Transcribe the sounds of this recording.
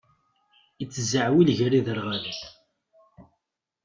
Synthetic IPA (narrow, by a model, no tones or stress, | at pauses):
it͡sːəzəʕwilʝɾiðəɾʁaləθ